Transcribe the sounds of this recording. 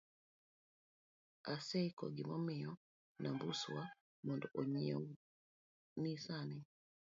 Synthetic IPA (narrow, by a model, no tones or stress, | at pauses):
asɛikɔ̰ɡimɔmiɔ | nambusuwa | mɔndɔʔɔɲiɔ̰ | nisanɛ